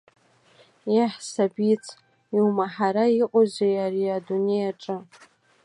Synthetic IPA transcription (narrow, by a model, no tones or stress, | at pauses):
jaħsabit͡sʰ | iwmaħaɾaiqʷʼozejaɾiadune̞jaʈ͡ʂʼɨ